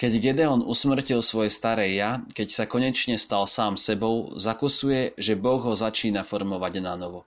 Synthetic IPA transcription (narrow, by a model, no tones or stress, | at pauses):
kɛɟɡɛd̪ɛɔnʔusmr̩cilsʋɔjɛst̪aɾɛːjakɛcsakɔɲɛt͡ʃɲɛst̪alsaːmsɛbɔʊzakusujɛʒɛbɔɣɦɔzat͡ʃiːnafɔɾmɔʋaɟnanɔʋɔ